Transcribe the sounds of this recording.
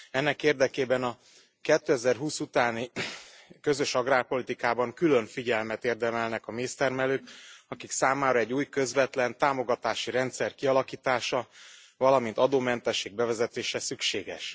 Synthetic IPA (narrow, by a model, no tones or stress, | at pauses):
ɛnːɛkeːrd̪ɛkeːbɛnɒ | kɛt̪ːøɛzɛrɦuːsut̪aːni | kø̞zø̞ʃɒɡraːrpo̞lit̪ikaːbɒŋkylø̞ɱfiɟɛlmɛt̪eːrd̪ɛmɛlnɛkɒmeːst̪ɛrmɛløːkɒkiksaːmaːɾɒɛɟːuːjkø̞zʋɛt̪lɛnt̪aːmo̞ɡɒt̪aːʃiɾɛnt̪sɛrkiɒlɒkiːt̪aːʃɒ | vɒlɒmint̪ɒd̪oːmɛnt̪ɛʃːeːɡ̚bɛvɛzɛt̪eːʃɛsykʃeːɡɛ̰ʃ